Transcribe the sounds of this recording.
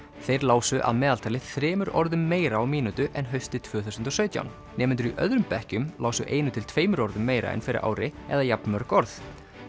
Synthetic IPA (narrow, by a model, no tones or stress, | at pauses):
θejɾlaːwsʏʔa̰ðmɛːðalt̪ʰaːlɪθɾɛːmʏɾɔ̰ɾðʏmːeːjɾaːwmiːnut̪ʏʔɛnɦœɥst̪ɪt̪ʰvœːθuwsʏnt̪ɔsœːɥt̪ja̰wn | nɛːmɪnt̪̬ʏɾiʔœ̰ðɾʏmpɛhcʏmlaːwsʏʔeːjnʏt̪ʰɪlt̪ʰveːjmʏɾɔɾðʏmːeːjɾa̰ɛ̰nfɪɾɪ̰ɾa̰ːwɾɪɛ̰ðajapnmœɾ̥kɔɾθ